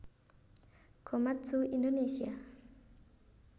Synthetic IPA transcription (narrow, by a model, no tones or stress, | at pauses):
kʰɔmat͡sʰuʔindonesia